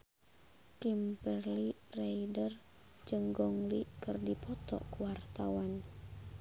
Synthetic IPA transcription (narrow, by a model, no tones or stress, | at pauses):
kimpɛrliraidər | d͡ʒɨŋɡɔŋlikɨrdipɔt̪ɔ̰kuwart̪awan